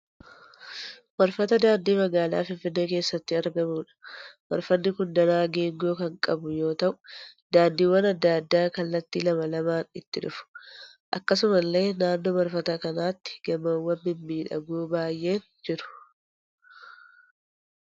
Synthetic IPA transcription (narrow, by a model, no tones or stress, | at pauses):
mɐɾfɐt̪ɐd̪aːnd̪iːmɐɡaːla̰ːfɪnfɪnːe̞ːke̞ːsːɐt̪ːɪɐɾɡɐmuːᶑɐ̥mɐ̰ɾfɐnːɪkʊnd̪ɐnaːɡe̞ːŋɡo̞ːkɐŋkʼɐbʊjo̞ːt̪ɐʔʊ̥d̪aːnd̪iːwːɐnɐd̪ːad̪ːaːkɐlːɐt̪ːiːlɐmɐlɐmaːnɪt̪ːɪᶑʊfʊ̥ | ʔɐkːɐsʊmɐlːe̞ːnaːnːoːmɐɾfɐt̪ɐkɐnaːt̪ːɪ̥ɡ̥ɐmɐwːɐmbɪmːiːᶑɐ̰ɡuːbaːjʔe̞ːn | d͡ʒɪɾʊ̥